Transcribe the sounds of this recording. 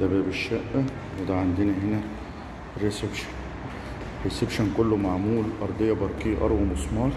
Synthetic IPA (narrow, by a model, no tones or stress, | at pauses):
d̪æbæʔbeʃːæʔːæ | wed̪æʕand̪enæɦenæ | ɾesebʃæ̥n | ɾesebʃænkolːomaʕmuːlʔɑɾˤd̪ˤejːɑbɑɾˤkijːʔɑ̰ɾˤwɑmosˤmɑː